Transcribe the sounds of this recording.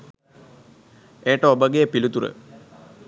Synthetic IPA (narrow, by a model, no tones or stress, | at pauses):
ejəʈəobəɡejəpilut̪uɾə̰